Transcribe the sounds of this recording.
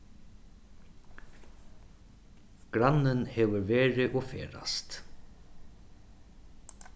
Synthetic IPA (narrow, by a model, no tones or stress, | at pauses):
ɡ̥ɾanːɪnhɛːʋʏɾveːɾɪʔɔfḛːɾa̰st̪